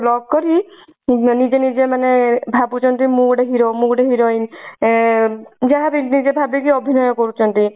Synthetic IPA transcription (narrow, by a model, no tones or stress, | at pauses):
lɔɡ̚kɔɾi | nid͡ʒenid͡ʒemanebʱabut͡ʃʰɔnt̪imũɽeɦiɾomukɽeɦiɾɔjn | d͡ʒaɦabinid͡ʒebʱabikiɔbʱinɔjɔkɔɾut͡ʃʰɔnt̪i